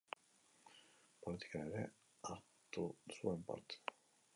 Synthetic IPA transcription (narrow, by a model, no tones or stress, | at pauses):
polit̪i̥kaneɾɛ | aɾ | t̪usuempa̰ɾt̪